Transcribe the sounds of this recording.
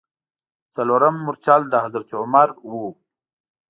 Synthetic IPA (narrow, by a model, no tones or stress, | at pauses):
t͡saloɾəmːuɾt͡ʃɑld̪əhazaɾt͡ʃʊmaɾwu